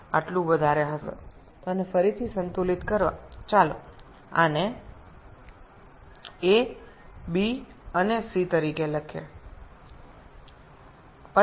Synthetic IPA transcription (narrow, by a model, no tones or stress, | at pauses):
a̰ʈlũʋəd̪ʱaɾeɦəsḛ | t̪oənefəɾit̪ʰisənt̪ulit̪kəɾʋa̰t͡ʃalo | a̰ne | e | bi | ənesit̪əɾikeləkʰḛ | pə